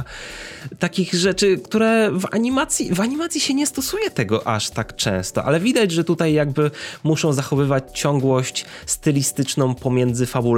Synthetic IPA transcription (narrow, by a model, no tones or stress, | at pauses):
t̪akʲiɣʐɛt͡ʂɘkt̪uɾɛva̰ɲimat̪sʲjivaɲimat̪sʲjiɕɛɲɛst̪ɔsujɛt̪ɛɡɔʔa̰ʂt̪akt͡ʂɛ̰̃w̃st̪ɔ̰ʔa̰lɛvʲid̪ad͡ʑʐɛt̪ut̪ajːaɡbɘmuʂɔ̃w̃zaxɔvɘvat͡ɕt͡ɕɔŋɡwɔɕt͡ɕ | st̪ɘlʲist̪ɘt͡ʂnɔ̃w̃pɔmʲjɛnd̪zɘfabu